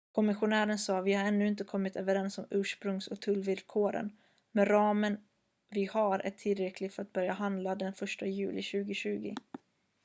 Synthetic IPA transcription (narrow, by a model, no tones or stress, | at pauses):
kʰɔmɪɧʊnæːɾənsɑːvɪhaɾɛnːʉɪnt̪əkʰɔmːɪt̪øːvəɾɛnsɔmʉ̟ːʂpɾɵŋsɔk̚t̪ʰɵlːvɪlkʰoːɾə̰n | mɛɾɑːmən | vɪhaɾʔæ̰ʈʰɪlɾɛkʰlɪɡfœɾat̪̚bœɾjaɦand̪lad̪ɛnfœʂʈajʉ̟̰ːlɪɕʉ̟ːɡɪɕʉ̟ːɡɪ̰